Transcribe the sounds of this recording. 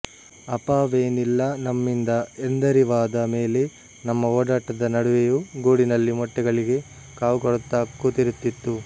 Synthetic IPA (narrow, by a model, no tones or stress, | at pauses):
ɐpaːʋeːnilːɐnɐmːind̪ɐend̪ɐɾiʋaːd̪ɐme̞ːle̞ | nɐmːɐoːɽaːʈɐd̪ɐnɐɽuʋejuɡoːɽinɐlːimɔʈːɛɡɐɭiɡe̞ | kaːʋɡɔɽt̪ːaːkːut̪iɾut̪ːit̪ːu